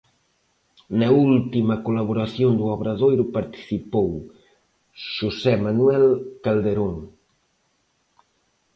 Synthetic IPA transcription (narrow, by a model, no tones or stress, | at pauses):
nɐult̪imɐkolaβ̞oɾaθjond̪uaβɾaðojɾʊpaɾt̪i̥θipow | ʃusɛmanuɛlkald̪eɾoŋ